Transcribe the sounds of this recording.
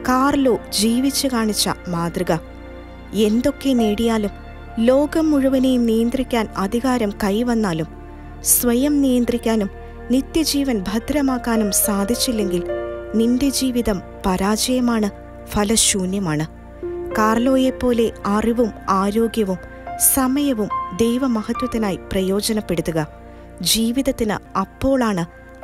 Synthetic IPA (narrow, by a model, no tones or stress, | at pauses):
kaːrɐlo̞ːd͡ʑiːʋit͡ɕːɨkaːɳit͡ɕːɐ̰maːd̪rɨɣɐ | e̞nd̪o̞kːe̞niːɽijaːlum | lo̞ːɡɐmːuɻuʋɐnejumnijɐnd̪rikʲːaːnɐd̪ʱiɣaːɾɐmkɐjʋɐnːaːlum | sʋɐjɐmnijɐnd̪rikʲːaːnum | nit̪jɐd͡ʑiːʋɐnbʱɐd̪ʱɾɐmaːkːaːnumsaːd̪ʱit͡ɕːilːe̞ŋɡilnindjɐd͡ʑiːʋiðɐm | pɐɾaːd͡ʑɐjɐmaːɳɨ | fʰɐlɐɕuːnjɐmaːɳɨ | kaːrlo̞ːjepːo̞ːle̞ɐriʋumaːɾo̞ːɡjɐʋum | sɐmɐjɐʋumd̪ejʋɐmɐhɐt̪wɐt̪ːinaːjiprɐjo̞ːd͡ʑɐnɐpːe̞ɽut̪ːuɣɐ | d͡ʑiːʋiðɐt̪ːinɨ̰ɐpːo̞ːɭaːɳɨ